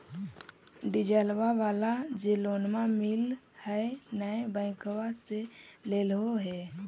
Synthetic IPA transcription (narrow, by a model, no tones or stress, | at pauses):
ɖɪd͡ʒəlwaʋaːlad͡ʒeloːnmamɪl | hɛnə̃bə̃ɪ̃kwaseleːlɦoɦɛ